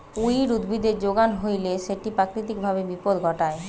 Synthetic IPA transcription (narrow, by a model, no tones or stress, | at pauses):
ujɾud̪bid̪eɾd͡ʑoɡanɦojleʃeʈipɾakɾit̪ik̚bʱabebipod̪ɡʱɔʈae